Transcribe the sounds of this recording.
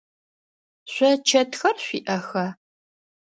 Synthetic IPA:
ɕʷɐt͡ʃʰɐtʰxɐrɕʷiːʔɐxɐ

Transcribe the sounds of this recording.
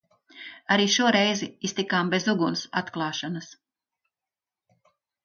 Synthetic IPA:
aɾiːʃuɔɾɛjziist̪ikaːmbezuɡunsa̰t̪klˠɑːʃanɐs

